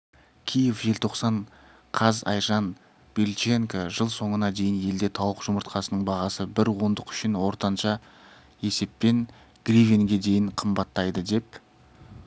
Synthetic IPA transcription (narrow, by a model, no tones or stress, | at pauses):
kʲʰijefʒe̞lt̪ʰo̞qsɑɴ | qʰɑzɑ̰jʒɑn | b̥elt͡ʃe̞ŋkoʒəlˠso̞ɴənɑd̪e̞jɪnje̞ld̪e̞t̪ʰɑwəqʒ̥ʊməɾt̪qʰɑsənəɴbɑʁɑsəbɪɾwo̞nd̪əqʏ̥ʃɪnwo̞ɾt̪ɑnʃɑ | e̞se̞pːe̞n | ɡ̥rivʲeŋɡʲe̞d̪e̞jɪɴqʰəmbɑt̪ːɑjd̪əd̪e̞p̚